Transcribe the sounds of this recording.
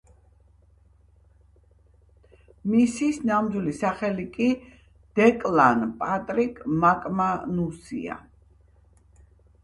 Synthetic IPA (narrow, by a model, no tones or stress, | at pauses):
misisnamd̪ilisaχɛlikʼi | d̪̥ɛkʼlanpʼat̪ʼɾikʼmakʼmanusḭa̰